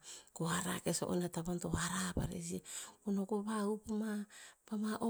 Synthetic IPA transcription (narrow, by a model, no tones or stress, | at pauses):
koaɾa̰kesoʔo̰nataβantoaɾapa̰ɾḛs̬iakonokoβaupamapamaʔo